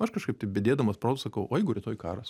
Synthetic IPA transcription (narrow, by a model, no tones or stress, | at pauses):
ɐʃkɐʃkɐɪpt̪ʲɐɪpbʲedʲeːd̪ɐmɐspɾoːt̪sɐkɐʊʔoːjɛɪɡʊɾʲɪt̪oːjkɑ̰ːɾɐs